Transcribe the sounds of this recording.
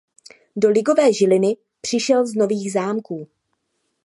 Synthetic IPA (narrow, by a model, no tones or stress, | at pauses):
do̞lɪɡo̞vɛːʒɪlɪnɪ | pr̥ɪʃɛlzno̞viːɣzaːmkuː